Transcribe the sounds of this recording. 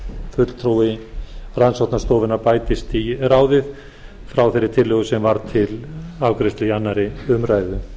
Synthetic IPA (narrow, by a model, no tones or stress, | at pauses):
fʏt̪l̥t̪ʰɾuwɪransawt̪nast̪ɔːvɪnaɾpaːjt̪ɪst̪iraːwðɪθ | fɾawθɛɾːɪt̪ʰɪlːœːɣʏsɛmvaɾt̪ʰɪlawkɾɪst̪lɪanːaɾɪʏmraːjðʏ